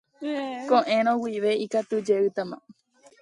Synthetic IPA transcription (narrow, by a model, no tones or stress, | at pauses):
kõʔẽɾ̃õwiʋe̞ikat̪ud͡ʒe̞ɨt̪amã̰